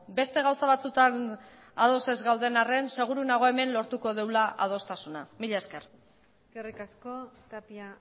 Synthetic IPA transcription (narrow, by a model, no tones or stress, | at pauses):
be̞st̪e̞ɣ̞awsaβat͡sut̪an | að̞o̞se̞zɣawðe̞nare̞nse̞ɣ̞uɾunaɣ̞o̞e̞me̞nlo̞ɾt̪uko̞ðewlaʔa̰ð̞o̞st̪asunamiʎaeske̞r | skerikaskot̪apia